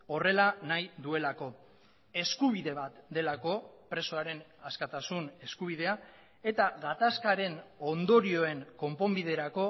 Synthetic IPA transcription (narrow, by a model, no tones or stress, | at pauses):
o̞re̞lanajðue̞lako̞ | e̞skuβ̞iðe̞βat̪d̪e̞lako̞pɾe̞soaɾe̞naskat̪asune̞skuβ̞ið̞e̞a | e̞t̪aɣat̪askaɾe̞no̞nd̪o̞ɾio̞e̞ŋko̞mpo̞mbið̞e̞ɾako̞